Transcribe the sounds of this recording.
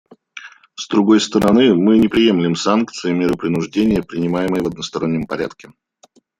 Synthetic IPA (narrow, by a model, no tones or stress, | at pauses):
zd̪ɾʊɡo̞jst̪əɾɐnɨmɨnʲɪpɾʲɪje̞mlʲɪmsankt̪sɨɪmʲeɾɨpɾʲɪnʊʐdʲenʲɪjəpɾʲɪnʲɪmajɪməjəvɐd̪̚nəst̪ɐɾo̞nʲːəmpɐɾʲa̰t̪kʲɪ